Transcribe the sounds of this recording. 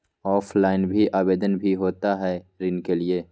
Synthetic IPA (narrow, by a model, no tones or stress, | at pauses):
ɔːflaːɪnbʱiʔaːbeːd̪ənbʱiɦoːt̪aɦɛɾɪnkelieː